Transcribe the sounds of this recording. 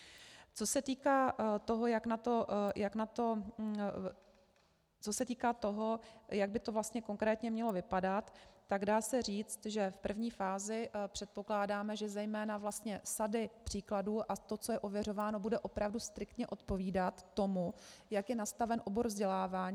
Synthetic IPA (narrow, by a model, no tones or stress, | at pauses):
t͡so̞sɛt̪iːkaːt̪o̞ɦo̞jaknat̪o̞jʔaknat̪o̞ | t͡so̞sɛt̪iːkaːt̪o̞ɦo̞jaɡ̚bɪt̪o̞vlast̪ɲɛko̞ŋkɾɛːt̪ɲɛmɲɛlo̞vɪpadat̪ːaɡdaːsɛr̝iːt͡st̪ʒɛfpr̩vɲiːfaːzɪpr̝̥ɛt̪̚po̞klaːdaːmɛʒɛzɛjmɛːnavlast̪ɲɛsadɪpr̝̥iːkladuːʔat̪o̞t͡sojɛʔo̞vjɛro̞vaːno̞budɛʔo̞pɾavdust̪ɾɪkt̪ɲɛʔo̞t̪po̞viːdat̪ːo̞mujakjɛnast̪avɛnʔo̞bo̞ɾvzɟɛlaːvaːɲː